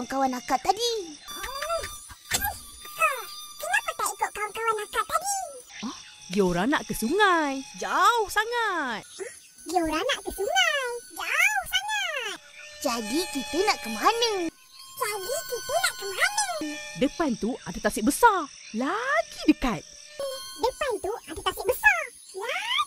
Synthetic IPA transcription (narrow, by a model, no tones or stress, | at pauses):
ŋkawanakat̪ːadi | əsakilat̪əp̪at̪ikaʔkawaŋkawaŋakaʔaɡəɔh | ɡiauɾaŋna̰ʔkəsuŋajd͡ʒauhsaŋat̪̚ | ɡaɾanaʔkət̪uŋaŋd͡ʒawsaŋat̪̚d͡ʒadikit̪ənaʔkəmanə | salikit̪ənaʔkəmanədəpɛnt̪uʔadat̪asiʔ̚bəsarlaɡidəkat̪̚ | dəpant̪uadat̪asiʔ̚bəsar | wa